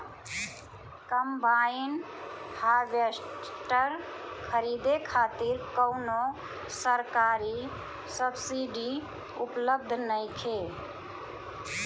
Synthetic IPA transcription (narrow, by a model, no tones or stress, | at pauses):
kəmbainhaʋesʈəɾkʰəɾid̪ekʰaːt̪iɾkəʊno | səɾkaːɾi | səbsiɖi | upləb̚d̪ʱnəɪkʰe